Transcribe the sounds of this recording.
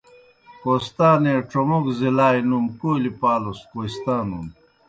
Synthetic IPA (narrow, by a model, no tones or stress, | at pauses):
koːst̪aːneːʈ͡ʂomokzilaːjnumkoːlipaːloskoist̪aːnun